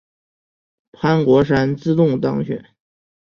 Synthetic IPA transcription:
pʰa˥nkwɔ˧˥ʂ̬a˥nt͡sɹ̩˥˧t̪ʊ˥˩ŋt̪ɑ˥ŋɕɥɛ̰˨˩˦n

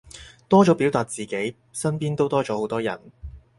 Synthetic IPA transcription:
t̪ɔː˥t͡ʃɔː˨˥piː˨˥wt̪aː˨t̚t͡siː˨ke˨˥j | sɐ˥npiː˥nt̪o˥wt̪ɔː˥t͡ʃɔː˨˥ho˨˥wt̪ɔː˥jɐ̰˨˩n

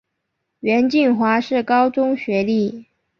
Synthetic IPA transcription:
ɥɛ˧˥nt͡ɕi˥˩nxwa˧˥ʂɻ̩˥˩kɑ˥ʊt͡sʊ˥ŋɕɥɛ˧˥li˥˩

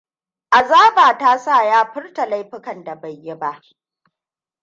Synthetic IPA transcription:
ʔa˨zaː˦baː˨taː˦saː˦˨jaː˦ɸɪ˦rta˨la˦jɸɪ˦kɐ˨nda˨ba˨jːɪ˦ba˦ʔ

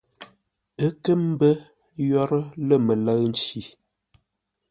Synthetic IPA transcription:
ə˦kə˦m˦bə˦ | jɔ˦ɾə˦lə˦˨mə˨lə˦n̩˦t͡ʃi˨

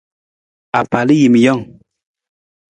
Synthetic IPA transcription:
a˨pa˨li˦ji˨mi˨jɔ˦˨ŋ

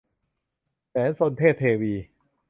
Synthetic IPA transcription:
sɛː˩˦˥nso˧nt̪ʰeː˥˩t̪ʰːeː˧wiː˧

